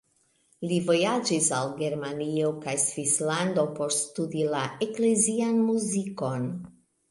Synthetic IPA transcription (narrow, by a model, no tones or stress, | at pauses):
livo̞jad͡ʒisalɡe̞ɾmanio̞kajsvislando̞po̞ɾstudilaʔekle̞zianmuziko̞n